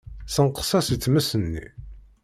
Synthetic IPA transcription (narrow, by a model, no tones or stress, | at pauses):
səɴqə̥sæsit͡sːməsənːḭ